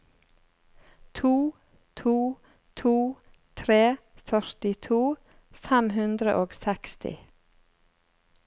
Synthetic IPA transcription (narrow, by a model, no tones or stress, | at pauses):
t̪ʰuː | t̪ʰuː | t̪ʰuː | t̪ʰɾeː | fœɾt̪ɪt̪ʰuː | fæmhʉnd̪ɾəʔoːɡsɛkst̪ɪ̰